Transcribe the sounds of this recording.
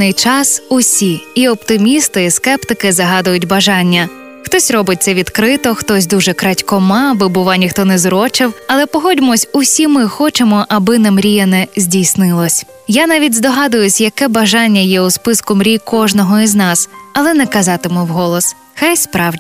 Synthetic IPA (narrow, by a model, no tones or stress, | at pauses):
ɪjt͡ʃɑsʊsʲiiɔpt̪ɪmʲist̪ɪiskɛpt̪ɪkɪzɐɦɑd̪ʊjʊtʲbɐʒɑnʲːɐ | xt̪ɔsʲrɔbɪt̚ʲsʲɐʋʲid̪kɾɪt̪ɔxt̪ɔsʲd̪uʒɛkɾɑtʲkɔmɑbɪbʊʋɑnʲixt̪ɔnɛzɾɔt͡ʃɪwɐlˠɛpɔɦɔdʲmɔsʲʊsʲimɪxɔt͡ʃemɔʔɐbɪnɐmɾʲijɐnɛzʲdʲijsnɪlˠɔsʲ | janɑʋʲidʲzd̪ɔɦɑd̪ʊjʊsʲjɐkɛbɐʒɑnʲːɐjɛuspɪskʊmɾʲijkɔʒnɔɦɔiznɑsɐlˠɛnɛkɐzɑt̪ɪmʊwɦɔlˠɔs | xɛjspɾɑw